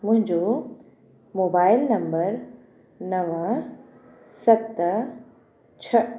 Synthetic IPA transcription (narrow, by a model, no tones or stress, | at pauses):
mʊ̃ɦɪ̃ɲd͡ʑo | moːbaːɪlnɐ̃mbəɾ | nɐʋə | sɐtt̪ | t͡ɕʰɐ